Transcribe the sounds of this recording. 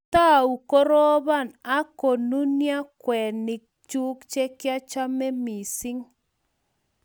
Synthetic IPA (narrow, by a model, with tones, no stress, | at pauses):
ta˦˨u˨ko˦ɾɔ˦βa˦˨na˦ko˨nu˦nja˦kwɛ˨nɪ˨k̚t͡ʃu˦kt͡ʃe˦kja˦t͡ʃa˦mɛ˦mi˨sɪ˦ŋ